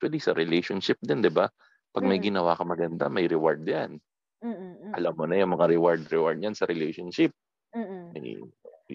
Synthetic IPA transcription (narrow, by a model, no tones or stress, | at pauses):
t̪wɐlisɐ̰ɾɪlɛjʃonʃɪp̚d̪ɛnd̪ɪba | pɐɡ̚mɐjɡɪnɐwaːkɐmɐɡɐnd̪amɐjɾɪwaɹd̪jan | ʔɐlamːonɐjʊŋmɐŋaɾɛwaɹd̪ɾɛwaɹd̪̚ɲjansɐɾɛlɛjʃonʃɪp̚ | mɐ̰j